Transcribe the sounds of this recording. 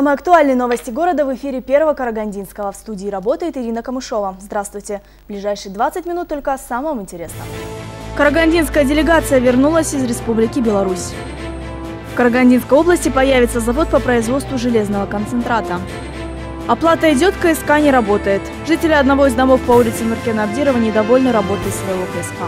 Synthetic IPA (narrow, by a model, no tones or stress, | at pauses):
samɨjɐkt̪ʊalʲnɨjəno̞vəsʲtʲɪɡo̞ɾəd̪əvɨfʲiɾʲɪpʲe̞rvəvəkəɾəɡɐnʲdʲinskəvəfst̪udʲɪːɾɐbo̞t̪əjɪt̪ɪɾʲinəkəmɨʂo̞vəzd̪ɾast̪vʊjtʲɪ | blʲɪʐajʂɨjd̪vat̪sɨtʲmʲɪnut̪ːo̞lʲkəsaməmɪnʲtʲɪɾʲe̞snə̰kəɾəɡanʲdʲinskəjədʲɪlʲɪɡat̪sɨjəvʲɪrnulˠəsʲɪzɾʲɪspublʲɪkʲɪbʲɪlˠɐɾusʲ | fkəɾəɡɐnʲdʲinskəjo̞blˠəsʲtʲɪpɐjavʲɪt̪səzɐvo̞t̪̚pəpɾəɪzvo̞t̪st̪vʊʐɨlʲe̞znəvəkənt̪sɨnt̪ɾat̪ə | ɐplˠat̪əɪdʲo̞t̪kəɛskanʲɪɾɐbo̞t̪əjɪt̪ | ʐɨtʲɪlʲɪɐd̪nɐvo̞ɪzd̪ɐmo̞fpɐulʲɪt̪sɨmʲɪrkʲɪnɐbdʲiɾəvənʲɪd̪ɐvo̞lʲnəɾɐbo̞t̪ɨɪt̪svəjɪvo̞kəɛska